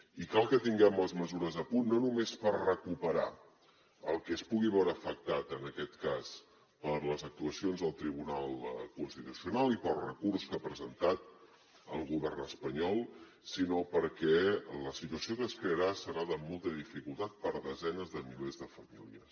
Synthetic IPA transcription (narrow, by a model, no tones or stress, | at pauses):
ikalˠkət̪iŋɡɛmləzməzuɾəzəpunːonumespərrəkupəɾa̰ | əlˠkɛspuɣiβɛwɾəːfək̚t̪at̪ənəkɛt̪kas | pəɾləzək̚t̪uəsionzðəlˠt̪ɾiβunalˠkunst̪it̪usiunalˠipəlˠrəkurskapɾəzənt̪at̪ | əlˠɣuβɛrnəspəɲɔlˠ | sinopəɾkɛləsit̪uəsiokəskɾeəɾasəɾaðəmolˠt̪əðifikulˠt̪at̪̚pəɾðəzɛnəzðəmilezðəfəmiliəs